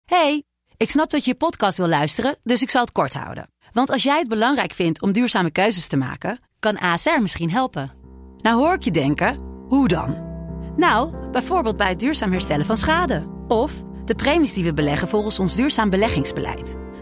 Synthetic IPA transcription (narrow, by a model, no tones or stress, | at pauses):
hej | ɪksnɑp̚dɑjəəpɔtkɑstʋɪlˠlœɥstərədɵsɪksɑlˠət̚kɔɹtɦɑ̰wdə̰ | ʋɑntɑlˠsjɛjɦəd̚bəlɑŋrɛjkfɪntʰɔmdyːɹzaːməkøɥzəstəma̰ːkə | kɑnʔaːsɛɹmɪsχinɦɛlˠpənawɦʊːɹɪkjədɛŋkəɦudɑ̰nnawbɛjvoːɹbeːlˠd̚bɛjɦədyːɹzaːmɦɛɹstɛləvɑnsχaːdə | ɔf | d̥əprejmisdiʋəbəlɛχənvɔlˠχənsɔnzdyːɹzaːmbəlɛχɪŋzbəlʔɛ̰jt